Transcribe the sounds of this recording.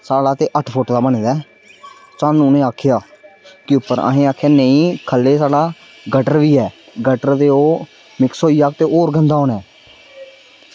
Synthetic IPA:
saːɽaːt̪eːʔəʈʰpʰoʈd̪aːbəneːd̪ɛː | saːnːũːnẽːaːkʰɪjaːkɪʊpːəɾa̰ːɦẽːaːkʰjaːnəĩːkʰəlːeːsaːɖaː | ɡəʈəɾʋiːɛː | ɡəʈəɾd̪eːoː | mɪksoːiːaːkt̪eːʔoːɾɡənd̪aːoːnɛː

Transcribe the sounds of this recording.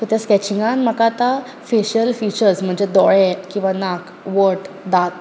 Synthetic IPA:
kut̪askɛt͡ɕiŋɡãnm̤əkat̪a | feɕəlfit͡ɕəɾsm̤əɳd͡zed̪ɔɭɛkĩw̃ʋanak | ʋəʈ | d̪at̪

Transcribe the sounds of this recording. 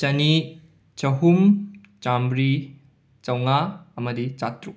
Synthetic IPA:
t͡ʃɐni | t͡ʃɐɦum | t͡ʃambɾi | t͡ʃɐwŋaɐmɐdit͡ʃatɾu

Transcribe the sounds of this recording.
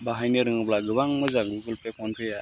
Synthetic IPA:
baɦajnɯɾɯŋɯblaɡɯbaŋmɯzaŋɡuɡɯlpʰekʰɔnpʰɯja

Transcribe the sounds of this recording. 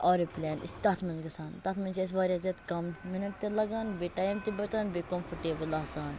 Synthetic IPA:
ɔːɾiplʲɛːnḭst̪ɐt̪ʰmɐnd͡ʒɡɐsaːnt̪ɐt̪ʰmɐnt͡ʃʰɐs̬ʋaːɾʲiɐzɐt̪kɐmminɐʈ̚t̪elɐɡaːnbeʈaːmt̪ibɐt͡ʃ̪aːnbekomfʰɐʈeːbɨlɐɦsaːn

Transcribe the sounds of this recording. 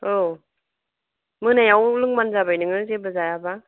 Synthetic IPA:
o | mɯnajawlɯŋmanzabajnɯŋɯzebɯzajaba

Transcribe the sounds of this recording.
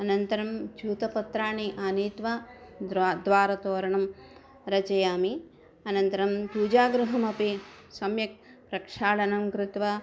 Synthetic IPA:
ɐnɐnt̪ɐɾɐmt͡ʃuːt̪ɐpɐt̪ɾaːɳiʔaːniːt̪ʋa | d̪ʋaːɾɐt̪oːɾɐɳɐm | ɾɐt͡ʃɐjaːmi | ɐnɐnt̪ɐɾɐmpuːd͡ʒaːɡɾuɦɐmɐpi | sɐmjɐk̚pɾɐkʂaːɭɐnɐmkɾɪt̪ʋɐ

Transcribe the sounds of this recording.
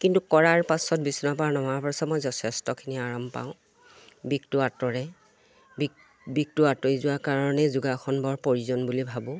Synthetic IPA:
kintukɔɹaɹpasɔt̚bisnɔpaɹnɔmaɹpasɔmɔjzɔtʰɛstɔkʰiniaɹɔmpa̰ʊ̃ | bik̚tʊatɔɹɛ | bi | bik̚tʊatojzʊwaɹkaɹɔnɛzuɡaxʰɔnbɔɹpoɹizɔnbulibʱabʊ̃

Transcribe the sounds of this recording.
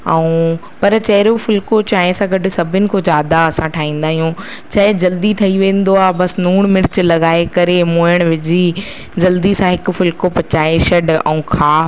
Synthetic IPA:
ɛũː | pɐɾt͡ɕɐɦɾofʊlkot͡ɕaːɦẽsãɡʱɐɖɪ̆sɐbʱɪnɪ̆kʰozjaːd̪aɐsãʈʰaːɦĩːn̆d̪aːɦijũː | t͡ɕɐːɦed͡ʑɐld̪iʈʰɐiʋẽːn̆d̪oaːbɐsnuːɽ̃mɪɽɪt͡ɕɪlɐɣaːekɐɾemõːəɽ̃ʋɪd͡ʑi | d͡ʑɐld̪isãɦɪkʊ̆fʊlkopɐt͡ɕaːeʃɐɖɛ̰̃ũkʰaː

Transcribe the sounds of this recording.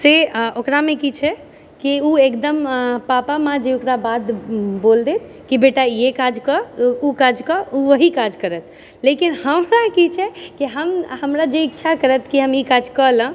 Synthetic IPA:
seokɾamekit͡ʃʰɛ | kiuekd̪əmpapamãd͡ʒeokɾabad̪bold̪et̪ʰ | kibeʈajekad͡ʒkɔukad͡ʒkɔuʋəɦikad͡ʒkəɾət̪̚ʰ | lekinhəmɾakit͡ʃʰɛkiɦəmhəmɾad͡ʒeikt͡ʃʰakəɾət̪ʰkiɦəmikad͡ʒkələ̃

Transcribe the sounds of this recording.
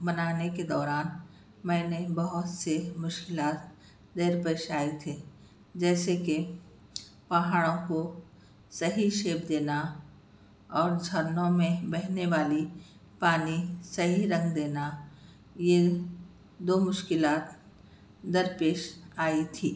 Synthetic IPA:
bɐnaːneked̪ɔːɾaːn | mɛ̃ːnebɐɦʊt̪semʊʃkɪlaːt̪ | d̪eːɾpeːʃaːit̪ʰe | d͡ʒɛːseke | pɐɦaːɽõko | sɐɦiʃeːbd̪eːna | ɔːɾd͡ʒʱɐɾnõmẽbɛɦneʋaːli | paːnisɐɦiɾɐ̃ŋɡd̪eːna | je | d̪oːmʊʃkɪlaːt̪ | d̪ɐɾpeːʃaːit̪ʰiː

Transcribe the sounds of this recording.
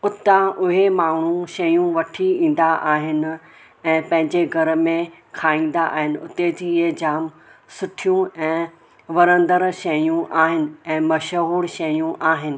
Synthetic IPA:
ʊt̪aʊɦemaːɳ̤ũʃɐjũʋɐʈʰiĩːn̆d̪aʔaːɦɪnɪ̆ | ɛ̃ːpɐ̃ɦɪ̃ɲd͡ʑeɡʱɐɾəmẽkʰaːĩːn̆d̪aʔa̰ːɦɪnɪ̆ʊt̪ed͡ʑiːɦed͡ʑaːm | sʊʈʰijũɛ̃ː | ʋɐɾə̃nd̪əɾʃɐjũʔaːɦɪnɪ̆ɛ̃ːmɐʃɦuːɽʃɐjũʔaːɦɪnɪ̆

